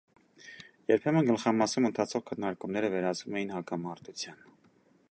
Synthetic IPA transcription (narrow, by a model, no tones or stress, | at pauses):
jɛɾpʰɛmənɡəlχɑmɑsumənt̪ʰɑt͡sʰɔʁkʰənːɑɾkumnɛɾəvɛɾɑt͡svumɛjinhɑkɑmɑɾt̪ut͡sʰjɑn